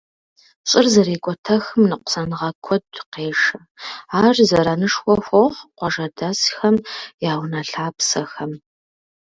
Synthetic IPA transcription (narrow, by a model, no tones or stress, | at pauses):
ɕʼɪrzɐɾeːkʷʼɔtʰɐxɨmnɨqʷsɐnɨʁɐkʷʰɔdqeːʂɐ | aːrzɐɾɐnɨʂxʷɔxʷɔʁqʷɔʐɐdasxɐmjaːwnɐɬaːpsɐxɐm